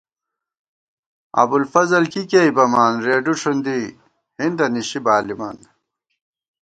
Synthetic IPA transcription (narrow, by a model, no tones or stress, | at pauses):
ɐ̰bulfɐzɐlkikeibɐmaːnɾeːɖuʂʰund̪i | hind̪ɐniɕibaːlimɐ̰n